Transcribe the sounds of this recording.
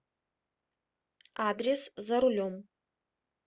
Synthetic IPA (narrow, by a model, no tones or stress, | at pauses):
aːd̪reszaɾulʲom